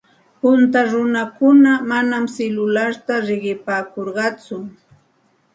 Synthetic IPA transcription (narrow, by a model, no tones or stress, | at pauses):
pʊnt̪aɾʊnakʊnamanamselʊlaɾt̪aɾɪɢɪpaːkoɾɢɑt͡sʊ